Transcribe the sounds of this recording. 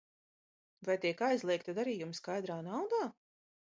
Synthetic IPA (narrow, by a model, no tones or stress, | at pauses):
vajt̪iɛkajzlˠiɛkt̪ad̪aɾiːjumskajd̪ɾaːnawd̪aː